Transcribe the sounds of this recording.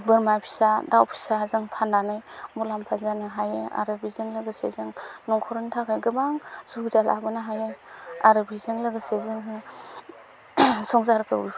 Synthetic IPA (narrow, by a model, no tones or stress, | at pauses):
bɯɾmapʰi̥sadawpʰi̥sazɯŋpʰanːanɯjmɔlampʰazanɯɦajea̰ɾɯbizɯŋlɯɡɯsḛzɯŋnɔŋkʰɔɾɯntʰakajɡɯbaŋsubidala̰bɯnaɦajeaɾɯbizɯŋlɯɡɯsezɯŋɯ | sɔŋzaɾkʰɯwɾi